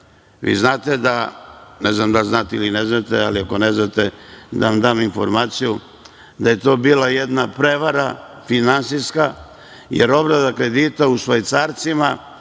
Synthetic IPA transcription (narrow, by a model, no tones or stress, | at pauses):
ʋḭːznaːt̪ed̪anɛznamd̪alznaːt̪eilineznat̪ealiako̞neznat̪ed̪aʋamd̪aːminfo̞̰ɾmaːt̪siju | d̪aje̞t̪o̞ːbiːlajed̪napɾeʋaɾa | finansiska | jḛɾo̞bɾad̪akɾed̪it̪ausʋajt̪saːɾt̪sima